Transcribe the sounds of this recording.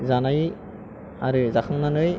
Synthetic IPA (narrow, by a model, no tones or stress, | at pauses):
zanaj | aɾɯzakʰɯŋnanɯj